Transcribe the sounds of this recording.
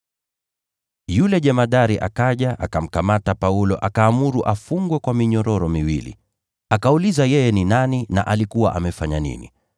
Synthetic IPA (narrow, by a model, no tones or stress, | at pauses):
julɛʄɛmaɗaɾiʔa̰kaʄaʔa̰kam̩kamatapaulɔʔakaːmuɾuʔafuŋɡwɛkwamiɲɔɾɔɾɔmiwḭlḭ | akaulizajɛjɛninanina̰ʔalikuwaʔamɛfaɲanḭnḭ